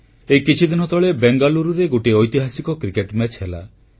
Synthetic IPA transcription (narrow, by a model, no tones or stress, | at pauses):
ekit͡ʃʰid̪inɔt̪ɔɭebeŋɡaluɾuɾeɡoʈiɔjt̪iɦasikɔkɾikeʈmɛt͡ʃʰɦela̰